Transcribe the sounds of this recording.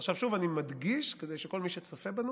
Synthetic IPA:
χʃavʃuvanimad̪ɡiʃked̪ejʃeko̞lmiʃet͡sofebanu

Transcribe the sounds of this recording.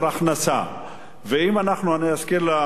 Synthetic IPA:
ɾaχnasa̰ | veimanaχnuaniaskiɾla

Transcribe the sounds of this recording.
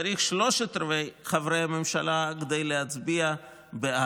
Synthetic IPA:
aɾiχʃlo̞ʃet̪ɾvejχavɾejhamemʃalaked̪ejlehat͡sbia | bea

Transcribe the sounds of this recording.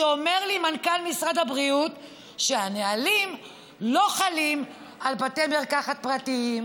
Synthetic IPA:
eome̞ʁlimankalmisʁadabʁiut | ʃeanealim | lo̞χalim | albatemeʁkaχat̪̚pʁatiim

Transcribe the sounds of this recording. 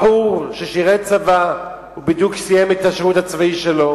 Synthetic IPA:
uʃeʃiʁett͡sava | ubid̪juksijemet̪aʃʁut̪hat͡svaiʃelo

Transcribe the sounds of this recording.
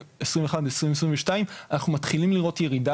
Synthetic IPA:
esʁĩmveχad̪eesʁimesʁĩmveʃtaimanaχnumat̪χilimliʁo̞t̪jeʁida

